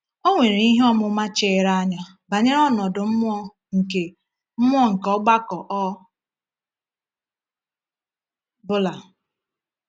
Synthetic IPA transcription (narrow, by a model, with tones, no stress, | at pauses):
o˦ŋʷe˨ɾe˨i˦ɦɔ˦mʊ˦ma˦t͡ʃe˦˨˦ɾa˦a˦ɲa˦ | ba˨ɲe˦ɾɔ˦nɔ˨dʊ˨m̩˦mʷ˦ɔ˦ | ŋ̩˨ke˨ | m̩˦mʷ˦ɔ˦ŋ̩˨kɔ˦ɡ͡ba˦kɔ˨ʔɔ˦ | bʊ˦la˨